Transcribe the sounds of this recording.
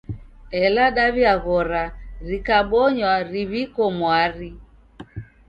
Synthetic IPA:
ɛlaɗaβjaɣɔɾaɾikaɓɔɲwaɾiβikɔmwaɾi

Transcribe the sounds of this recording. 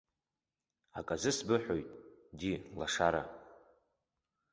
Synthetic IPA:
akʼazɨsbɨħʷᶣojtʼdilaʂaɾa̰

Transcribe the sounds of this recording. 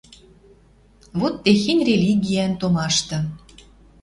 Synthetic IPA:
βot̪ːexenʲrʲelʲiɡʲiænt̪omɑʃt̪ɤ̆

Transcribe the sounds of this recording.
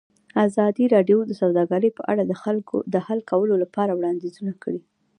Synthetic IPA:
azɑd̪iɾɑɖjod̪əsawd̪ɑɡəɾəjpəʔa̰ɽad̪əxalkʰo̰d̪əhalkawəlolapɑɾawɽɑnd̪izunakɽi

